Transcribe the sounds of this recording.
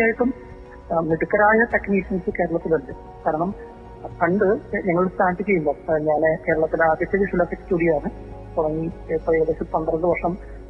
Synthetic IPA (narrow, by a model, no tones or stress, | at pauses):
aːjiʈːum | miɽukːɐɾaːjɐt̪ɐkniːʂɐnsɨke̞ːɾɐɭɐt̪ːiluɳɖɨ | kaːɾɐɳɐm | pʰɐɳɖɨɲɐŋːɐɭɭst̪aːʈːikʲːɐjulːɐɲaːneke̞ːɾɐɭɐt̪ːilaːd̪jɐt͡ɕːɐðiʂulɐfekːuɽijaːɳɨ | t̪uɽɐŋːipːoiʋɐðet͡ɕipɐnd̪rɐnɖ̪ɨʋɐrʂɐm